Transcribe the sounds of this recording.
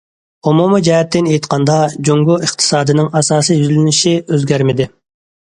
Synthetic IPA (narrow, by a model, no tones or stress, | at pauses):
umumɨd͡ʒɛɦɛt̪ʰːɪnejt̪qʰɑnd̪ɑd͡ʒoŋɡuʔɨχt̪ʰɨ̥sɑːd̪ɨnɪŋɑsɑːsijjyzlɪnɪʃiøzɡʲæɾmɪd̪ɪ